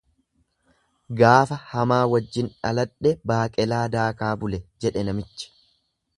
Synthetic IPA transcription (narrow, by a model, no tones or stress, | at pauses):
ɡaːfɐhɐmaːwɐd͡ʒːɪnᶑɐlɐᶑːɛbaːkʼɛlaːd̪aːkaːbʊlɛd͡ʒɛᶑɛnɐmɪt͡ʃːɪ̥